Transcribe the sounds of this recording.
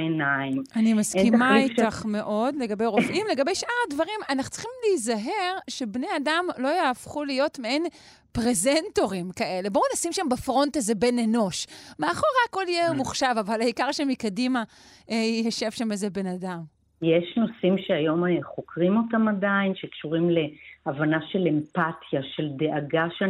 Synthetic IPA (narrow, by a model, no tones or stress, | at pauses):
enaimʔanimaskimaikaχme̞ʔo̞dle̞ɡabe̞jʁofʔimle̞ɡabe̞jʃʔaʁadvaʁimanaχu̥t͡si̥χimliːzaɦe̞ʁʃe̞bne̞adamlo̞jeːfχulijo̞tmeen | pʁezento̞ʁimkaʔe̞le̞bounasimʃambefʁo̞ntazebeneno̞ʃmeaχo̞ʁeako̞ljemuχʃavavalaikaʁʃemikadima | jaʃe̞v̥ʃamezebe̞nadam | jeʃnosimʃeajo̞meχo̞kʁimo̞tamadainʃekʃuʁimle̞avanaʃe̞le̞mpatʰjaʃe̞ld̪eʔaɡaʃe